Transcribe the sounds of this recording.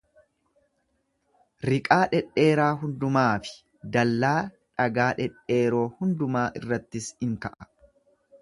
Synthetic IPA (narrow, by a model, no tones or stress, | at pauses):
ɾɪkʼaːᶑɛᶑe̞ːɾaːɦʊnd̪ʊmaːfɪ̥ | d̪ɐlːaː | ᶑɐɡaːᶑɛᶑe̞ːɾo̞ːhʊnd̪ʊmaːʔɪrːɐt̪ːɪsɪŋkɐʔɐ̥